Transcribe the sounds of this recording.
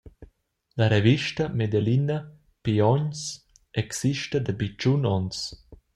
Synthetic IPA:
laɾeviʃtɐmed̪elinɐ | piɔɲs | ɛksiʃtəd̪əbit͡ʃunɔns

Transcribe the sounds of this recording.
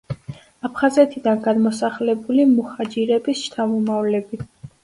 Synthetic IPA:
apʰχazɛt̪ʰid̪anɡad̪mɔsaχlɛbulimuχad͡ʒiɾɛbist͡ʃt̪ʰamɔmavlɛbi

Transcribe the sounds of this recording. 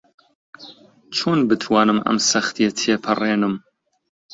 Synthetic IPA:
t͡ʃʰoːnbɨt̪ʰwɑːnɨmɐ̰msɐxt̪ʰet̪ʰeːpʰɨreːnɨm

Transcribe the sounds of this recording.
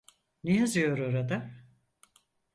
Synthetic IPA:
nejazɯjo̞ɾoɾad̪a

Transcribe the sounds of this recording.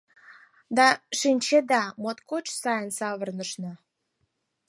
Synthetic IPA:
d̪ɑʃinʲt͡ɕed̪ɑmot̪kot͡ɕsɑjənsɑβə̆rnəʃnɤ̆

